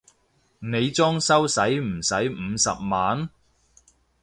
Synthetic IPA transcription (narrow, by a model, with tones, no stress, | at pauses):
ne˨˧jt͡sɔː˥ŋsɐ˥wsɐ˨˥jm̩˨˩sɐ˨˥jm̩˨˧sɐ̰˨p̚maː˨˥n